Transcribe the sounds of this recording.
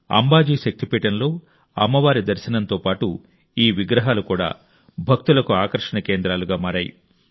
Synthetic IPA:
ɐ̰mbaːd͡ʒiːʃɐk̚t̪ipiːʈɐnlo̞ː | ɐ̰mːɐʋaːɾid̪ɐɾʃɐnɐnt̪o̞ːpaːʈu | iːʋiɡɾɐɦaːlukuːɽa̰ː | bʱɐk̚t̪ulɐkuaːkɐɾʂɐɳɐke̞ːnd̪ɾaːluɡaːmaːɾaːjḭ

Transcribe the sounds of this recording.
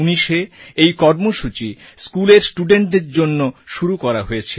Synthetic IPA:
uniʃeejkɔɾmoʃut͡ɕi | skuleɾsʈuɖeɳʈeɾd͡ʑonːoʃuɾukɔɾaɦojet͡ɕʰe

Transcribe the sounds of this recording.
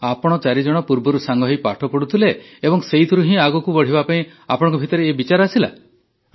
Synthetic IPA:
apɔɽ̃ɔt͡ʃaɾid͡ʒɔɽ̃ɔpuɾbɔɾusaŋɡɔɦejpaʈʰɔpɔɽut̪ʰileː | bɔŋseit̪ʰuɾuɦĩaɡɔkubɔɽ̤ibapaĩ | apɔɽ̃ŋkɔbʱit̪ɔɾeːbit͡ʃaɾɔasila̰

